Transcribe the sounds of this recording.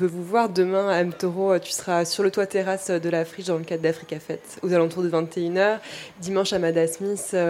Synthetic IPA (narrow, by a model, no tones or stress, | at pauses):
pøvuvwaʁd̪əmɛ̃ɛmt̪oʁoøt̪y̥sə̥ʁasyʁlət̪wat̪eʁasød̪əlafχiʃd̪ɑ̃ləkad̪d̪afχikafɛt̪ozalɑ̃t̪uʁd̪əvɛ̃t̪eynœːʁd̪imɑ̃ʃamad̪asmisø